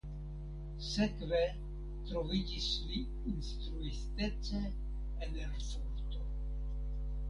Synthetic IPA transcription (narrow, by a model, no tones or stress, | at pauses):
sɛkvɛ | t̪ɾovic̪isli | inst̪ɾuist̪ɛt͡sɛ | ɛnɛɾfɔɾt̪o